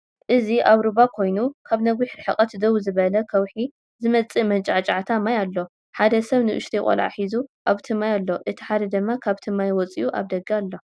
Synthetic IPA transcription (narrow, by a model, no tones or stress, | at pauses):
ʔɨziʔaβɾɨβakʰo̞jnukʰaβnɐɡiħɾɨħɨχʼɐt̪d̪ɐwuzɨβɐlɐkʰɐwħi | zɨmɐt͡sʼimɐnt͡ʃʼʕat͡ʃʼʕat̪ʰamajalːo̞ | ħad̪ɐsɐβnɨʔʊ̰ʃt̪ʰikʼɐ̰laʕa̰ħizuʔaβt̪ʰɨmajalːo̞ʔɨt̪ʰi̥ħad̪ɐd̪ɨmːakʰaβt̪ʰɨmajwɔt͡sʼḭuʔa̰βd̪ɐɡalːo̞